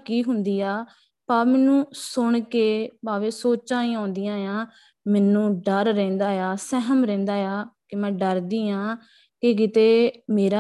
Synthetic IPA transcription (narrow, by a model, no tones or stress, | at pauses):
kiːɦʊnd̪iːaː | paːmɛːnũːsʊɳkeːpaːʋẽːsoːt͡ʃãːĩːãːnd̪ɪjãːjãː | mɛːnũːɖəɾːɛ̃ːnd̪aːjaːsɛɦəmɾɛ̃ːnd̪aːjaːkɪmɛ̃ːɖəɾd̪iːãː | kɪkɪt̪eːmeːɾaː